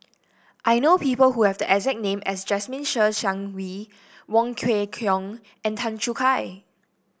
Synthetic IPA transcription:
ʔajnopipəlhuhɛvdəʔɛzɛk̚nẽmʔɛsd͡ʒɛsmĩnʃəʃãŋwi | wɔ̃ŋkʰwekʰjɔ̃ŋ | ɛ̃ntʰãnt͡ʃukʰaj

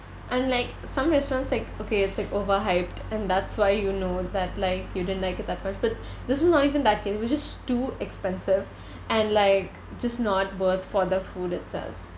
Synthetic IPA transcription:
ʔɛ̃nlaɪk | sʌ̃mɾɛstɾɔ̃ːntslaɪkoːkeːɪtslaɪkoːʋəɾɦaɪpʈɛ̃nd̪æʈsʋaɪjuːnoːd̪æʈlaɪkjuɖɪdə̃ntlaɪkɪt̪̚d̪æʈ̚mʌt͡ʃb̥ʌʈ̚d̪ɪswɔznɔʈiːʋə̃nd̪æʈ̚keːsʋɪt͡ʃɪz̥ʈuːɛkspɛ̃nsɪʋ | ʔæ̃nɖlaɪk | d͡ʒʌsʈnɔʈ̚bəɾt̪ʰfɔɾd̪əfuːɖɪtsɛ̰lf

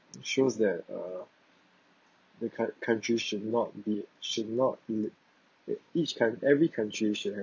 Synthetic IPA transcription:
ʃosdɛt̚ʌ | dəkʰkʰãntɹiʃudnɔt̚biʃudnɔt̚il | it͡ʃkʰãnɛvɹikʰãntɹiʃut̚hɛ

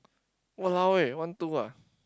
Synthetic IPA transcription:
wəlawewant̪ua

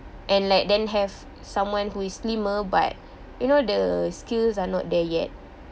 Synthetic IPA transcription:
ʔɛ̃nlaɪk̚dɛ̃nɦɛv | sãmwãnhuislĩməba̰t̚ | junodəskilsanɔ̰t̚dɛjɛ̰t̚

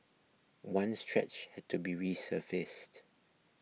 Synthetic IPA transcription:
wãnstɹɛ̰t͡ʃhɛd̚tʰubiɹisəfɪst

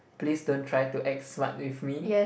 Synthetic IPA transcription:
plisdõntʰɹajtuʔɛk̚smã̰twifmijɛ

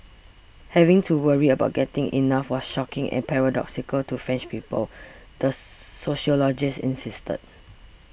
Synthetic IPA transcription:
hɛvɪ̃ŋtʰuwəɹiəbaʊt̚ɡ̥ɛtɪ̃ŋʔḭnafwɔsʃɔkɪ̃ŋʔɛ̰̃npʰɛɹadɔ̰ksikəltufɹɛ̃nt͡ʃpipəl | dəsoʃɔlɔd͡ʒɪsḭ̃nsistə̰d̚

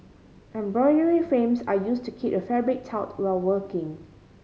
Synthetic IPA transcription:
ʔɛ̃mbɹɔɪnəɹifɹẽmsajustukʰitəfɛbɹɪt̚tʰːaʊtwɛlwəkɪ̃ŋ

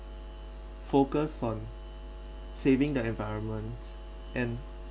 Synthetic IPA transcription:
fokəsɔ̃n | sevɪ̃ŋdəɛ̃nvaɪɹə̃nmə̃nt | ʔɛ̃n

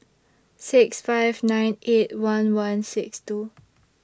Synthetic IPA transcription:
siksfaɪvnãjnʔet̚wãnwãnsikstu

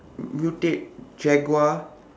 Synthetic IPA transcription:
mjutek̚d͡ʒɛɡwa

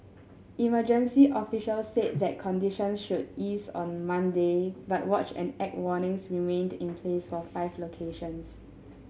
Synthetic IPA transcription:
ʔiməd͡ʒə̃nsiʔɔfiʃəlset̚ðɛt̚kʰɔ̃ndiʃɔ̃nsʃudisɔ̰̃nmãndebat̚wɔt͡ʃɛ̰̃nɛk̚wɔnɪ̃ŋsɹimẽndĩnpʰlesfɔfaɪvlokʰeʃɔ̃ns

